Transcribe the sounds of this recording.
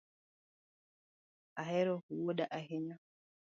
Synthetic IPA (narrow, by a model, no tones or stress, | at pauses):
aɦɛɾɔhuwɔɗaʔaɦɛna